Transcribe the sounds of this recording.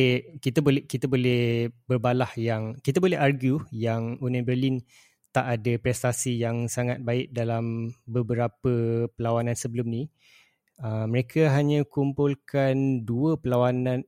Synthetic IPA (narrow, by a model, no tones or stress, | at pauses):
kit̪əbolɛkit̪abolɛhbərbalahjaŋkit̪abolɛɦarɡjujaŋunãbərlin | t̪aʔadəpɾɛst̪asijaŋsaŋat̪̚baɪʔ̚dalambəbəɾapəpəlawanãnsəbəlʊmnĩ | əməɾekʰəɦaɲãkumpʊlkanduəpəlawanãn